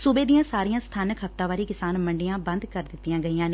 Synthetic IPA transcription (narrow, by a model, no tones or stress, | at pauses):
suːbeːd̪ijãːsaːɾijãːst̪ʰaːnəkɦəft̪ãːʋaːɾiːkɪsaːnməɳɖɪjãːbə̃nd̪kəɾd̪ɪt̪ːɪjãːɡəijãːne